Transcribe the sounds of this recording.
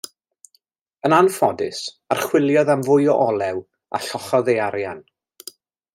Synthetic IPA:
ənanfɔdɪs | arχwɪlˠjɔðamvʊjɔʔɔlˠɛw | a̰ɬɔχɔðejaɾjan

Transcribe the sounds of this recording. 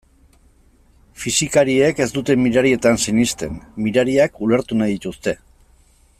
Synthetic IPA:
fisikaɾie̞ke̞zd̪ut̪e̞miɾaɾie̞t̪ansinist̪e̞̰nmiɾaɾiakule̞ɾt̪unajðit̪ust̪e̞

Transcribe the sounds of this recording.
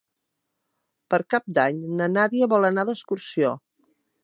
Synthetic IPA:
pəɾkap̚d̪aɲnənaðiəβɔlˠənaðəskuɾsio

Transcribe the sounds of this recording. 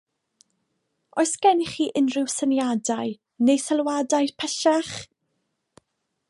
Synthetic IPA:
ɔjsɡ̥ɛniχiːʔɪnrɪwsənjadaj | nejsalˠwadajrpʰɛʃaχ

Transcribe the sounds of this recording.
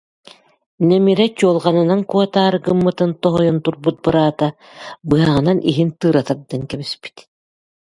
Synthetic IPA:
nɛmiɾɛt͡ɕuɔlˠʁanɯnaŋkuɔt̪aːɾɯkɯmːɯt̪ɯnt̪ɔɦɔjunt̪uɾbut̪̚bɯɾaːt̪a | bɯɦaʁɯnanʔiɦint̪ɯːɾat̪ad̪aŋkɛbispi̥t̪

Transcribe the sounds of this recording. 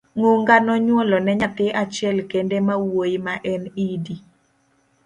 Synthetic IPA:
ŋoŋɡanɔɲwɔlɔnɛɲat̪ɪʔat͡ʃɪɛlkendemawojmaʔɛnidi

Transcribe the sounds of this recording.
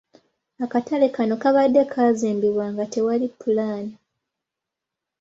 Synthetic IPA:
akatalekano̞kaβadːe̞kʰaːzeːmbiβwaːŋɡate̞walipːulaːni

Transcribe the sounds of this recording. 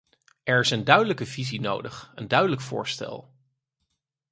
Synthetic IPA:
ɛɹɪsəndœɥdələkəvizino̰wdəχəndœɥdələkfʊ̰ːɹstɛ̰lˠ

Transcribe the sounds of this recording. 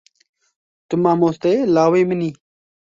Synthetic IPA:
t̪ʊmãːmoːst̪elaːweːməniː

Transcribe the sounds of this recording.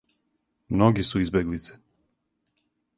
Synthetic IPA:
mnoɡisuizbeɡlit̪se̥

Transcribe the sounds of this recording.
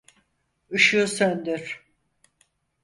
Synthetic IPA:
ɯʃuːsønd̪yɾ̥

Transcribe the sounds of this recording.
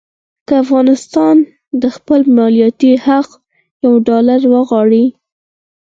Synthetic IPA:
kəafɣɑnɪst̪ɑn | d̪əxpəlmɑlijɑt̪ihaq | jawɖɑlaɾwəɣwɑɽi

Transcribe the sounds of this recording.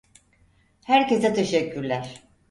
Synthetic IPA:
hæɾce̞sɛt̪ʰeʃɛcʰːyɾlʲæɾ̥

